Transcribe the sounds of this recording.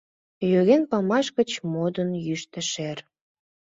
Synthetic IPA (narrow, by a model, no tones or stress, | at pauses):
jøɣenpɑmɑʃkət͡ɕmod̪ənjyʃt̪ə̆ʃer